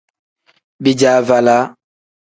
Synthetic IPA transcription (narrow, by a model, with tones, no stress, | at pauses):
bi˦d͡ʒa˨˦˨va˨la˦